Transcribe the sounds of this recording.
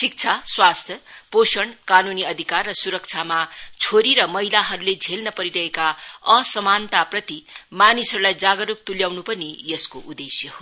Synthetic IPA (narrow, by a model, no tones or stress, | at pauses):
sik̚t͡sʰaswast̪ʰjʌposʌɳkanuniʌd̪ʱikarːʌsuɾʌk̚t͡sʰamat͡sʰoɾiɾʌmʌɦilaɦʌɾuled͡zʱelnʌpʌɾiɾʌɦekaʌsʌmant̪aprʌt̪imanisʌɾulajd͡zaɡʌɾuk̚t̪uljawnupʌnijʌskoʔud̪esjʌɦo